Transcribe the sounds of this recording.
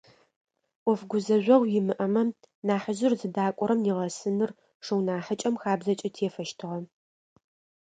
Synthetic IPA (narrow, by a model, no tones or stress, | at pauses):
ɔfɡʷʊzɐʑʷɐʁʷjɪmɨʔɐmɐ | naːħəʒɪrzɨdaːkʷʼɔɾɐmjɪʁɐsɨnɨr | ʂɨwnaːħət͡ʃʼɐmxaːbzɐt͡ʃʼɐtʰeːfɐʃtʰɨʁɐ